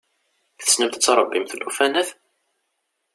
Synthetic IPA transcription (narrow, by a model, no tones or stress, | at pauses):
θθə̥snəmt̪ət͡sːɾˤəbːimθlufænæθ